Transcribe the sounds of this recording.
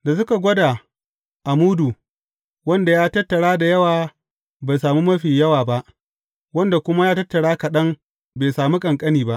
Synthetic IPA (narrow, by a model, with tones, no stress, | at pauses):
da˨s̬ʊ˦ka˨ɡʷɔ˦daː˨ | ʔa˨muː˦du˨ | wɐ˦nda˨jaː˦tɐ˦tːɐ˨ɽaː˦da˨jɐ˦waː˨ | ba˨jsaː˨muː˦mɐ˦ɸi˨ɲjɐ˦waː˨ba˦ʔ | wɐ˦nda˨kʷʊ˦ma˦jaː˦tɐ˦tːɐ˨ɽaː˦kɐ˨ɗɐ˦ŋ | beː˨saː˨mi˦kʼɐ˨ŋkʼɐ˦niː˨ba˦ʔ